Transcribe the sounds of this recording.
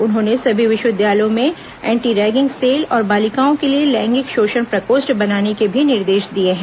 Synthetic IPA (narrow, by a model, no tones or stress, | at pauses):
ʊnɦõːnesɐbʱiʋɪʃwəɪd̪jaːljõmẽ | ɛ̃ːɳʈiːɾɛːɡɪ̃ŋɡseːlɔːɾbaːlɪkaːõkelielɛ̃ːŋɡɪkʃoːʃəñpɾɐkoːsʈbɐnaːnekebʱinɪɾd̪eːʃd̪ieɦɛ̃ː